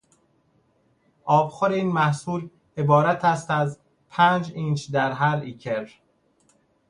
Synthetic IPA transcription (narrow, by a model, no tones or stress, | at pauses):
ʔɒːbxoɾeiːnmæhsuːl | e̞bɒːɾæt̪ʰæst̪æz | pʰæːnd͡ʒiːnt͡ʃd̪æɾɦæɾiːcʰeɾ